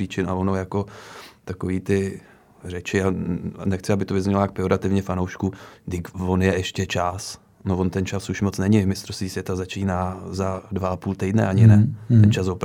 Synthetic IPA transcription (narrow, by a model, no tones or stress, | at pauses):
iːt͡ʃɪnavonojako̞t̪ako̞viːt̪ɪ | rɛt͡ʃɪanɛxt͡sɪabɪt̪ovɪzɲɛlaak̚pɪo̞ɾat̪ɪvɲɛfanowʃkudɪkvo̞njɛʔɛʃcɛt͡ʃas | novo̞nt̪ɛnt͡ʃasuʃmot͡snɛɲɪmɪst̪ɾost̪viːsvjɛt̪azat͡ʃiːnaːzadvaapuːlt̪ɛjdnɛ̰aɲɪnɛɛnt͡ʃasvop